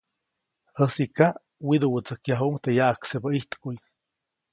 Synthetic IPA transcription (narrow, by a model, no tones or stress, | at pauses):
həsikaʔ | wid̪uwət͡səkjaɦuŋt̪ejaʔaksebaiht̪kuj